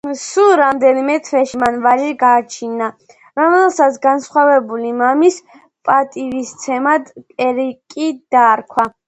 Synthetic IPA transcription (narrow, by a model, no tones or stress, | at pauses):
suɾamd̪ɛnimɛt̪ʰvwɛʃimanvaʒiɡaːt͡ʃʰina | ɾɔmɛlˠsat̪sʰɡansχwavɛbulimamis | pʼat̪ʼivist̪sʰɛmad̪ʼɛɾikʼid̪̥aɾkʰwa